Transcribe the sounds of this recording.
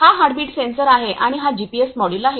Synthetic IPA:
aɦaɽbiːʈsensəɾaɦeʔaɽ̃iɦad͡ʑipiesmɔɽilaɦe

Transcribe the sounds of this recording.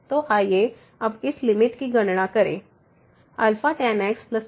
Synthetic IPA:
t̪oʔaːje | ɐbɪslɪmɪʈkiɡɐɳɳakəɾḛ̃ | ɐlfaʈɛnɛksləs

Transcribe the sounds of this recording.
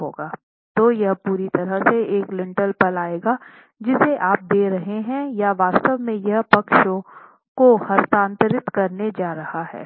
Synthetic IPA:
ɦoːɡaː | t̪ojɐɦpuːɾit̪ɐɾəɦseeːklɪ̃ɳʈəlpɐlaːeːɡa | d͡ʒɪseʔaːp̚d̪eːɾɐɦeɦɛ̃jaʋaːst̪əʋmẽjɐɦpɐkʃõ | kohɐɾt̪ãːnt̪ɾɪt̪kɐɾned͡ʒaːɾɐhaɦɛ̰ː

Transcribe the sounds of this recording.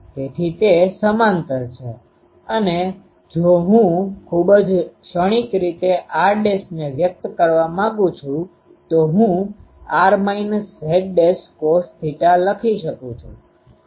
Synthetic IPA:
t̪et̪ʰit̪esəmant̪əɾt͡ʃʰe | əne | d͡ʒoɦũkʰubəd͡ʒʃəɽ̃ikɾit̪eʔaɾɖesneʋjək̚t̪kəɾʋamãɡũt͡ʃʰũ | t̪oɦũ | aɾmainsɦeɖ̚ɖeskost̪ʰiʈaləkʰiʃəkũt͡ʃʰṵ̃

